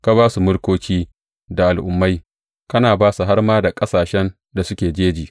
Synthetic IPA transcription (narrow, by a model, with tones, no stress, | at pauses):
ka˦βaː˦su˨mʊ˦ɽkʷoː˦kʲiː˦ | da˨ʔa˨lʔʊ˨mːa˦j | kɐ˦naː˨baː˦su˨ɦa˦rmaː˦da˨kʼɐ˦saː˨ʃɛ˦n | da˨sʊ˦kʲeː˨d͡ʒeː˦d͡ʒiː˨ʔ